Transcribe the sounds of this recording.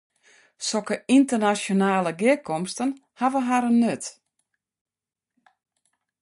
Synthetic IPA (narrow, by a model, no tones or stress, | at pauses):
sɔkəintərnasjonaːləɡɪkʰɔmstənhaʋəɦaɾənːøt